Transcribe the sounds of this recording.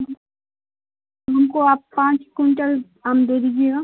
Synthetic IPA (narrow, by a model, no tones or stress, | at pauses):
ɦɐmkoaːpːãːt͡ʃkuɳʈəl | aːmd̪eːd̪id͡ʒea